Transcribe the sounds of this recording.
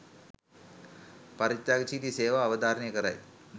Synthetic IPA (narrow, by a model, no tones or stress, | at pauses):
pɐɾit̪ːaːɡt͡ʃiːt̪iseːʋaːʋɐd̪aːɾɐɳijɐkɐɾa̰j